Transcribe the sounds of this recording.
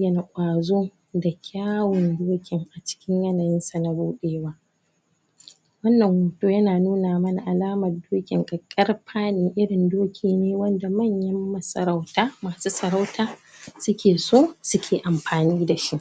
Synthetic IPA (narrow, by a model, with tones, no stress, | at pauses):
jɐ˨na˨kʷʼaː˨zoː˦ | da˨kʲʰaː˦wɔ˨ndoː˦kʲɪ˨ŋʔa˨t͡ʃɪ̥˦kʲɪ˦ɲjɐ˦na˨jɪ˦nsa˨na˦buː˦ɗeː˦waː˦ | wɐ˦nːɐ˨ŋwu˨toː˦jɐ˦naː˨nuː˦naː˨mɐ˦na˨ʔa˨laː˦mɐ˨rdoː˦kʲɪ˨ŋkʼɐ˨kʼːɐ˦rɸʰaː˦niː˨ʔɪ˦ɽɪ˨ndoː˦kʲʰiː˨neː˦wɐ˦nda˨mɐ˦˨ɲjɐ˦mːɐ˦˨sɐ˨ɾa˦wtaː˦maː˨suː˦sɐ˨ɾa˦wtaː˦ | sʊ˦kʲʰeː˨soː˦sʊ˦kʲʰeː˨ʔa˨mɸaː˨niː˦da˨ʃi˦ʔ